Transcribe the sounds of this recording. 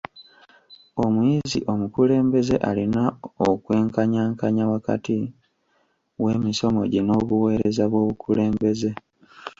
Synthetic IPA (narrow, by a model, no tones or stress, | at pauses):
o̞mujizḭʔo̞mukule̞ːmbe̞ze̞ʔalinaokwe̞ːŋkaɲaːŋkaɲawaka̰ti | we̞ːmiso̞mo̞̰ɟino̞βuwe̞ːɾe̞zaβwo̞ːβukʰule̞ːmbe̞ze̞